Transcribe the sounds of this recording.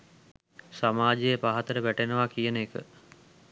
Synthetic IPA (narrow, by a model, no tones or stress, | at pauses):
samaːd͡ʒejəpaɦat̪əɾəʋæʈenəʋakijənəekə̰